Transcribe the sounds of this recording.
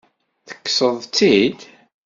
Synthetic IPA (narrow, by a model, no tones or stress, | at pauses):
θə̥kːsəðˤt͡sːid̪